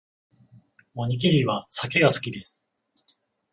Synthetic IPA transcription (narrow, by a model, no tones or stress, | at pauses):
mo̞ɲ̟ik̬ʲiɾʲiβasake̞ɡasɨ̥kʲid̪e̞sɨ̥